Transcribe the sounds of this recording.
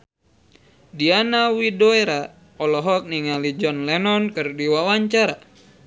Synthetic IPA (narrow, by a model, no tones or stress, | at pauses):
dianawidoeɾa | ɔlɔɦɔk̚niŋalid͡ʒɔnlɛnɔnkɨrdiwawaɲt͡ʃaɾa